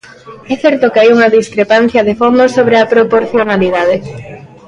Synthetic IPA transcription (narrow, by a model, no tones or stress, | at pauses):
ɛθɛɾt̪okeajuŋɐðiskɾepan̟θjɐðefond̪osoβ̞ɾeɐpɾopoɾθjonaliðað̞e